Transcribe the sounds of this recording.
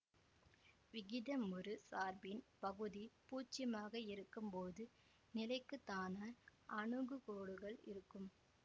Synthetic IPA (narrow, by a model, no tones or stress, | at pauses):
ʋɪɣɪðɐmɯɾɯsaːɾbɪnpɐɣɯðipuːt͡ʃːɪɐmaːɣɐɪɾɯkːɯmpoːðɯ | nɪlɐɪkːɯt̪ːaːnaɾʔɐɳɯɡɯkoːɽɯɣɐɭɪ̰ɾɯkːɯm